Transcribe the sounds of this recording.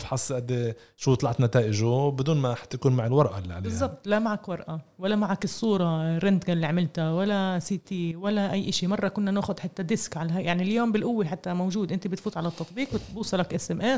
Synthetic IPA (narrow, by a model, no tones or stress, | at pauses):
fħɑsˤːʔad̪ːe | ʃuːt̪ˤlɑʕt̪nat̪aːʔɪʒʊbɪd̪uːnmaħt̪ːakuːnmaʕɪlwɑɾˤʔa̰lːiʕa̰lebɪzˤːɑb̚t̪ˤlamaʕakwɑɾˤʔawalːamaʕakɪsˤːuːɾˤɑrɪnd̪ɡalːiʕamɪlt̪awalːasit̪iwalːaʔajːʔaʃimɑrˤːɑkʊnːanaːxʊd̪ħat̪ːad̪ɪskʕalɦajaʕniljoːmbɪlʔʊwːiħat̪ːamowʒuːd̪ʔɪnt̪ibɪt̪fuːt̪ˤʕalat̪ːɑt̪ˤbiːqwɪt̪buːsˤɑlakʔɪsɛmʔeːs